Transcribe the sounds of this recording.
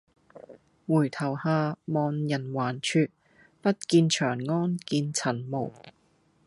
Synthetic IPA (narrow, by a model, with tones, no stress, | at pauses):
wuː˨˩jt̪ʰɐ˨˩whaː˧mɔː˧njɐ˨˩nwaː˨˩nt͡ʃʰyː˧t̚ | pɐ˥t̚kiː˧nt͡ʃʰœː˨˩ŋŋɔː˥nkiː˧nt͡sʰɐ˨˩nmo˨˩w